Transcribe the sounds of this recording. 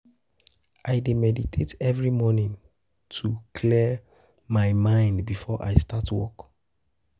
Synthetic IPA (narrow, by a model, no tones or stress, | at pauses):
ʔaɪdemɛditʰetʰɛvɹimɔnĩŋ | tʰukʰli | maɪmãɪ̃ndbifɔʔa̰ɪstatwɔ̰k